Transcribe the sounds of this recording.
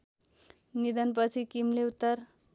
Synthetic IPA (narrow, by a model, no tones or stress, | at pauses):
nid̪ʌnp̬ʌt͡sʰikimleut̪ːʌr